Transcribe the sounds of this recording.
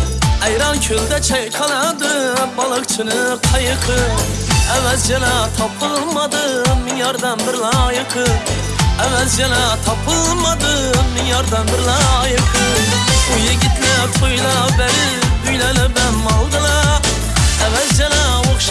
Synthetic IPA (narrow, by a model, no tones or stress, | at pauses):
ɛjɾɑnkʲʰøld̪ɛt͡ʃʰɛjqʰɑlˠɑd̪ɨbɑlˠəqt͡ʃʰɨnɨq̪ʰɑjɨqʰɨ | ævæzd͡ʒɑnɑt̪ʰɑpʰɨlˠmɑd̪ɯmijɑɾd̪ɑnbɪɾlˠɑjɨqʰɯ | ævɛzd͡ʒɑnɑt̪ʰɑpʰɯlˠmɑd̪ɨmijɑɾd̪ɑnbɪɾlˠɑjɨqʰɯujeɡʲit̪læqʰojlˠɑbæɾɪ | yjlɛlɪbænmɑlˠd̪ɨlˠɑ | ævæzd͡ʒɑnɑwoχʃ